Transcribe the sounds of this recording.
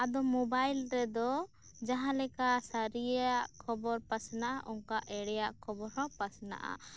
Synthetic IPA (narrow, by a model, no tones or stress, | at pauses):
ad̪ɔmɔbajlɾɛd̪ɔ | d͡ʒaɦãlɛkasaɾijaʔkʰɔbɔɾpasnaʔaʔɔŋkaʔɛɽɛjaʔkʰɔbɔɾhɔ̃pasna̰ʔa̰